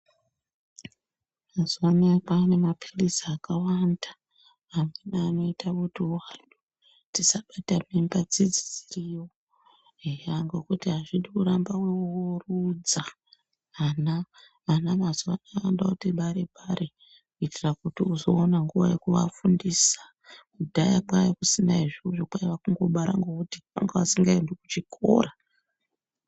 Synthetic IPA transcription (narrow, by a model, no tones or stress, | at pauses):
mazuwaniapane̞mapʰilisːkawandaː | menaano̞itakutiaɗu̥ | tisaɓatamimbad͡zid͡zid͡ziriwo | ɦeaŋɡo̞kutiɦaʐiɗikuɾambaweuurud͡za | ana | ʋanamazoʋanaandakutiɓaɾeɓaɾe | kuitirakutiuzo̞ːnaŋɡuʋa̰jekuʋa̰fundisḁ | kudʱajaɓajekusinaiʐioʐokwaiʋakuŋɡo̞ɓaɾa̰ŋɡokutiʋa̰ŋɡaʋasiŋɡaindokut͡ʃikʰo̰ːɾa